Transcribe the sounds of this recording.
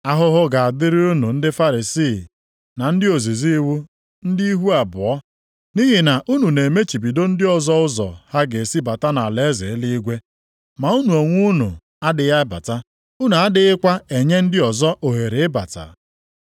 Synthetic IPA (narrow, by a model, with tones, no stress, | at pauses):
a˦ɦʊ˦ɦʊ˦ɡa˨a˨dɪ˦ɾɪ˦u˦nu˨n̩˦dɪ˦fa˦ɾi˨siː˦˨ | na˨n̩˦dɪ˦o˨zi˨zi˦i˦wu˦ | n̩˦di˦i˦ɦu˦a˨bʊ̰˨ɔ˦ | ni˦ɦi˨na˨ʔu˦nu˨ne˨e˨me˦t͡ʃi˨bi˨do˦n̩˦dɪ˦ɔ˨zɔ˦ʊ˦zɔ̰˨ha˦ɡe˨si˦ba˨ta˦na˨le˨˦ze˨˦li˦i˦ɡʷe˦ | ma˨u˦nu˨o˨ŋʷu˦nṵ˨ | a˦dɪ˨ja˦ba̰˨ta˦ | u˦nu˨a˦dɪ˨ɪ˦kʷa˦e˨ɲe˦n̩˦dɪ˦ɔ˨zɔ˦ʔo˨ɦe˨ɾe˨ɪ˦ba̰˨ta̰˨